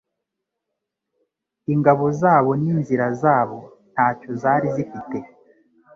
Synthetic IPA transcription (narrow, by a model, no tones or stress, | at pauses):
iŋɡaβo̞zaːβo̞niːnziɾazaːβo̞ | n̥haːcozaːɾizifite